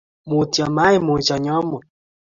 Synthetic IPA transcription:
mu˨ti˨ɔ˨ma˨˦i˨mo˨t͡ʃɔ˨ɲɔ˨˦mo˨

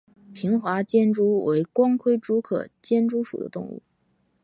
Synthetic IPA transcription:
pʰi˧˥ŋxwa˧˥t͡ɕjɛ˥nʈ͡ʂu˥we˧˥ɪkwɑ˥ŋkʰwe˥˩ɪʈ͡ʂu˥kʰɤ̰˨˩t͡ɕjɛ˥nʈ͡ʂu˥ʂṵ˨˩d̪ə̰˦t̪ʊ̰˥˧ŋṵ˥˩

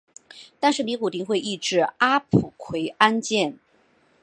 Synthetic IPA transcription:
t̪a˥˧nʂɻ̩˥˩ni˧˥ku˨˩t̪i˧˥ŋxwe˥˧ɪi˥˧ʈ͡ʂɻ̩˥˩a˥pʰu˨˩kʰwe˧˥ɪa˥nt͡ɕjɛ˥˩n

